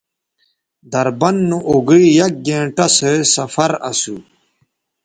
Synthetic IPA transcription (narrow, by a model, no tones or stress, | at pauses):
d̪ɐɾbɐnːuʔoɡiijɐk̚ɡẽːɳʈɐsesɐfɐɾɐ̰su